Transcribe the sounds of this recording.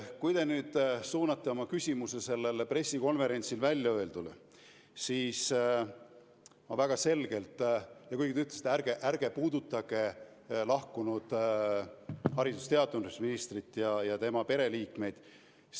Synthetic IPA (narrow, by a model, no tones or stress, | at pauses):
kujd̪e̞nyːd̪̥suːnɑt̪ˑːeo̞mɑkysʲimusese̞lːe̞lpre̞sːiko̞nve̞ɾe̞nʲt̪silvælʲjɑø̞ld̪̥ul | siːs | mɑvæɡ̥ɑse̞lɡ̥e̞lt̪ˑjɑkujɡit̪yt̪lesi̥t̪ærɡ̥eʔærɡ̥e̞puːd̪ut̪ˑːɑɡ̥e̞ | lɑhkunud̪̥ | hɑɾid̪̥ust̪e̞ɑt̪ːˑunusminist̪rit̪ːˑjɑjɑt̪e̞mɑpe̞ɾe̞liːkme̞jd̪̥